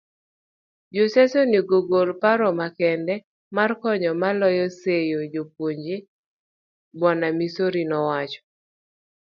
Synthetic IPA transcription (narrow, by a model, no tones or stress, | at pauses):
d͡ʒosɛsoniɡoɡolpaɾɔmakɛndɛ | markɔɲɔmalɔjɔsejod͡ʒopwoɲd͡ʒe | bwɔnamisoɾinɔwat͡ʃɔ̥